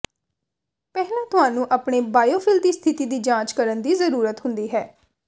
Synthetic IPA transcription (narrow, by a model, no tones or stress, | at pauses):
pɛːɦlãːt̪ʊɦãːnũːʔaːpɳeːbaːjoːpʰɪld̪iːst̪ʰɪt̪iːd̪iːd͡ʒãːt͡ʃkəɾənd̪iːzəɾuːɾət̪ɦʊnd̪iːɦɛː